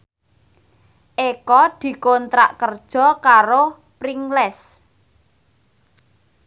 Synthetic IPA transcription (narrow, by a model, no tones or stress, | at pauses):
ʔekɔd̪̥i̤kont̪ɾa̰ʔkərd̥ʒ̥ɔ̤kaɾo | pɾiŋlɛs